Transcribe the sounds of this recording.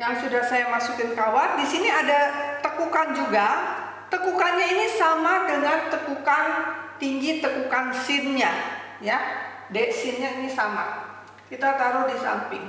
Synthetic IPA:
jaŋsudahsajamasukɪnkawandisiniadat̪əkukand͡ʒuɡa | t̪əkukanɲainisamadəŋant̪əkukant̪iŋɡit̪əkukansɪnɲa | ja | dɛʔsɪnɲainisama̰ | kit̪at̪aɾʊdisa̰mpɪŋ

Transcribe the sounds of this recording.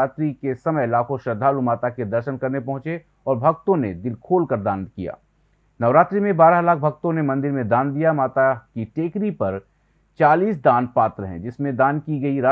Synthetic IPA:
aːt̪ɾikesɐməjlaːkʰõʃɐd̪ʱːaːlumaːt̪aked̪ɐɾʃənkɐɾnepɐ̃ɦʊ̃t͡ʃe | ɔːɾbʱɐk̚t̪õned̪ɪlkʰoːlkɐɾd̪aːnkija̰ː | nɐʋɾaːt̪ɾimẽbaːɾaɦlaːk̚ʰbʱɐk̚t̪õnemɐ̃nd̪ɪɾmẽd̪aːnd̪ijamaːt̪akiʈeːkɾipɐɾ | t͡ʃaːliːsd̪aːnpaːt̪ɾəɦɛ̰̃d͡ʒɪsmẽd̪aːnkiɡɐiɾaː

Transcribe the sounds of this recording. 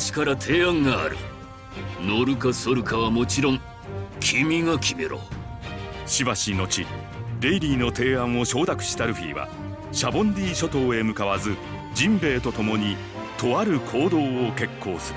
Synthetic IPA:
ɕi̥kaɾat̪ʰe̞ːãŋɡa̰ːɾɯ̟̰ | no̞ɾɯ̟kasoɾɯ̟kaβamo̞t͡ɕiɾõ̞ŋ | kʲʰimʲiŋakʲʰime̞̰ɾo̞̰ | ɕibaɕino̞t͡ɕi | ɾe̞iɾʲiːno̞t̪e̞ːãɰ̃o̞ɕo̞ːd̪akɯ̟̥ɕi̥t̪aɾɯ̟ɸʲḭːβa̰ | ɕabõ̞ndʲiːɕo̞t̪o̞ːe̞mɯ̟kaβazɨ | d͡ʑĩmbe̞ːt̪o̞t̪o̞mo̞ɲ̟i | t̪o̞aɾɯ̟kʰo̞ːd̪o̞ːoke̞kʰːo̞ːsɨɾɯ

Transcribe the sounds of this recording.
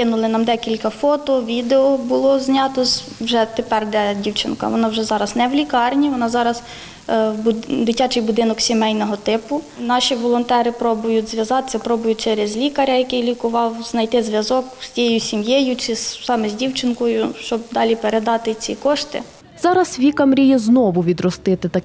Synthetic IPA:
kɪnʊlˠɪnɑmd̪ɛkʲilʲkɐfɔt̪ɔʋʲid̪eɔbʊlˠɔzʲnʲɑt̪ɔz | wʒɛt̪epɛrd̪ɛdʲiwt͡ʃɪnkɐ̰ʋɔnɑwʒɛzɑɾɐznɛwlʲikɑrnʲiʋɔnɑzɑɾɐz | bd̪ɪtʲɑt͡ʃɪjbʊd̪ɪnɔksʲimɛjnɔɦɔt̪ɪpʊ | nɑʃʲiʋɔlˠɔnt̪ɛɾɪpɾɔbʊjʊdʲzʋʲjɐzɑt̪ɪ̥sʲɐpɾɔbʊjʊt͡ʃeɾezʲlʲikɐɾʲɐjɐkɪjlʲikʊʋɑwznɐjt̪ɪzʋʲjɐzɔkstʲijejʊsʲimjejʊt͡ʃɪssɑmɛzʲdʲiwt͡ʃɪnkɔjʊʃt͡ʃɔb̚d̪ɑlʲipeɾed̪ɑt̪ɪt͡sʲikɔʃt̪ɪ̰ | zɑɾɐsʋʲikɐmɾʲijɛznɔʋʊʋʲid̪ɾɔst̪ɪt̪ɪt̪ɐ

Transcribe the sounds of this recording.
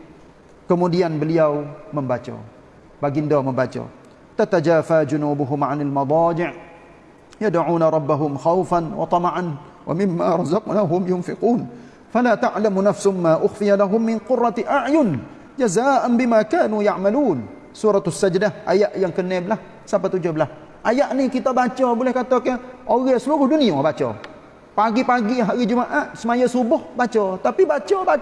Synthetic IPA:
kəmudianbəliawməmbat͡ʃa̰ | baɡɪndaməmbat͡ʃa̰ | t̪at̪ad͡ʒaːfad͡ʒʊnuːbʊɦʊmʕanalmɑd̪ˤɑːd͡ʒɪʕ | jadaʕuːnaɾˤɑbːaɦʊmxawfanwɑ̰t̪ˤɑmʕan | wʔa̰mɪmːaɾˤɑzɑqnaːɦʊmjʊnfɪquːn | falaːt̪aʕlamnafshmːaːʔʊxfɪjalaɦʊmːɪnqʊrˤːɑt̪ʔaʕjʊn | d͡ʒazaːʔanbɪmakaːnujaʕmaluːn | suːɾɑt̪sːad͡ʒdahʔajaʔjaŋkənɛblah | sapat̪ud͡ʒʊblah | ʔajaʔnikit̪abat͡ʃabolɛhkat̪akaʔoɣasəluɾʊhduniabat͡ʃɔ̰ | paɡipaɡiɦaɾid͡ʒəmaʔaʔsəmajasubʊhbat͡ʃɔt̪apibat͡ʃaba

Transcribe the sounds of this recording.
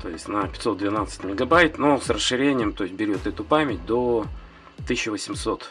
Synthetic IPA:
t̪o̞̰ɪsʲtʲnəpʲɪ̥t̪so̞t̪̚d̪vʲɪnat̪sɨ̥tʲmʲɪɡɐbajt̪nosrəsʂɨɾʲenʲɪjəmt̪o̞jɪsʲt̚ʲbʲɪɾʲo̞t̪ɛt̪ʊpamʲɪt̚ʲd̪o | t̪ɨsʲɕːɪvəsʲɪmso̞t̪

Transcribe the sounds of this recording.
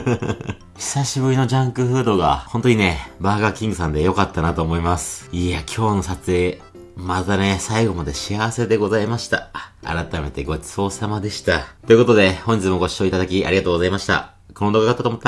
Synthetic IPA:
çi̥saɕibɯ̟ɾʲino̞d͡ʑãŋkɯ̟ɸɯ̟ːd̪o̞ɡahõ̞nt̪oɲ̟ine̞baːɡakʲĩŋɡɯ̟s̬ãnd̪e̞jo̞kat̪ːanat̪o̞ːmo̞imasɨ̥iːakʲʰo̞ːno̞sat͡sɨe̞ | mat̪ane̞saiɡo̞mad̪e̞ɕiaβase̞d̪e̞ɡo̞zaimaɕi̥t̪aa̰ɾat̪ame̞t̪e̞ɡo̞t͡sɨo̞ːsamad̪e̞ɕi̥t̪at̪o̞jɯ̟ko̞t̪o̞d̪e̞hõ̞ɲ̟d͡ʑit͡sɨmo̞ɡo̞ɕi̥o̞it̪ad̪akʲiʔa̰ɾʲiɡat̪oːɡozaimaɕi̥t̪a̰ | koɾõnoɡakat̪ːat̪omot̪ː

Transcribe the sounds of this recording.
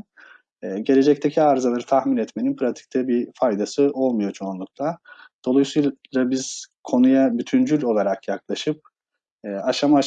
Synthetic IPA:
ɛːɟe̞lʲe̞d͡ʒɛc̚t̪ʰecʰiaɾzalˠaɾɯt̪ʰaxminɛt̪me̞ninpʰɾat̪ʰi̥c̚t̪ʰɛbifajd̪asɯo̞lˠmujo̞t͡ʃʰoanlˠɯk̚lˠad̪̥o̞lˠajsujlˠabiz̥kʰo̞nujabyt̪ʰynd͡ʒylʲo̞lˠaɾakjaklˠaʃɯp̚ | ɛːaʃama

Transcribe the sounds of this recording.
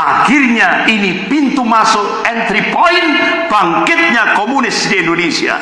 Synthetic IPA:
ahirɲainipint̪umasʊ | ɛnt̪ɾipɔinb̥aŋkɪt̪̚ɲakɔmunɪsdɛndonisia̰

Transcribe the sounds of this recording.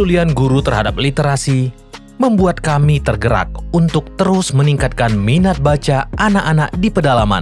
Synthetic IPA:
ulianɡuɾut̪ərɦadap̚lit̪eɾasi | məmbuat̪̚kamit̪ərɡəɾa̰k̚unt̪ʊk̚t̪əɾʊsməniŋkat̪̚kanminat̪̚bat͡ʃaʔanaʔanak̚dipədalama̰n

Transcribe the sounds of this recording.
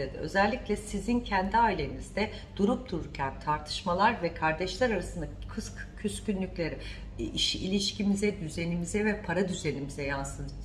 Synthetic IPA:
ed̪ɪ̰ø̞̰zɛlʲːiclʲɛsizincʰænd̪iaːilʲe̞nizd̪ɛ | d̪̥uɾup̚d̪uɾuɾcʰænt̪ʰaɾt̪ʰɯ̥ʃmalˠaɾvɛkʰaɾd̪ɛʃlʲɛɾaɾasɯnd̪akʰɯskcʰyscynlʲycʲlʲe̞ɾɪ | iʃiilʲiʃcimizɛd̪yze̞nimizɛvɛpʰaɾad̪yze̞nimizɛjansɯn

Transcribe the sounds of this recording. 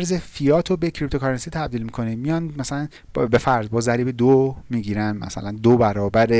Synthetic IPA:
ɾze̞fijɒːt̪ʰobecʰɾip̚t̪ʰokʰɑɾensit̪ʰæb̚d̪iːlmikʰo̞nimijɒnmæsælæn | be̞fæɾd̪̚bɒːzæɾiːbed̪omiːɡiːɾænmæ̰sæ̰lænd̪obæɾɒːbæɾe

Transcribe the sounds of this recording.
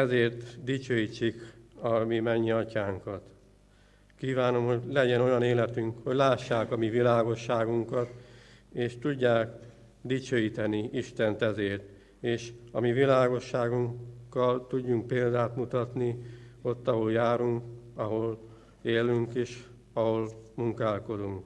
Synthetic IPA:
ɛzeːrt̪d̪it͡ʃøːjit͡ʃːikɒmimɛɲːiɒcaːŋkɒt̪ | kiːvaːno̞mho̞ɟlɛɟɛnojɒneːlɛt̪yŋkho̞ɟlaːʃːaːkɒmivilaːɡo̞ʃːaːɡuŋkɒt̪eːʃt̪uɟːaːk | d̪it͡ʃøːjit̪ɛniiʃt̪ɛnt̪ɛzeːrt̪ | eːʃɒmivilaːɡo̞ʃːaːɡuŋkːɒlt̪uɟːuŋk̚peːld̪aːt̪mut̪ɒt̪nio̞t̪ːɒɦo̞ljaːɾuŋkɒɦo̞l | eːlyŋkeːʃ | ɒho̞lmuŋkaːlko̞d̪uŋk

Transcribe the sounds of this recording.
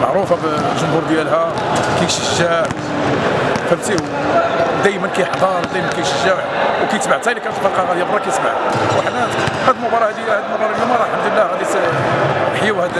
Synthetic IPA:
maʕɾufabʒʊmhuɾd̪jælɦæ | kijʃəʒːæʕ | fæbt̪i | d̪æjmənkæjħd̪ˤɑɾˤd̪æjmənkæjʃəʒːæʕwkæjt̪baʕt̪ːælikænt̪fɑlqɑɣæd̪ijbɾˤɑkæjt̪ba̰ʕwaħd̪æhæd̪lmʊbɑɾˤɑhæd̪ihæd̪əlmʊbɑɾˤɑlːimɑɾˤɑlħamd̪əlːæɣæd̪isæ | ħjwhæd̪

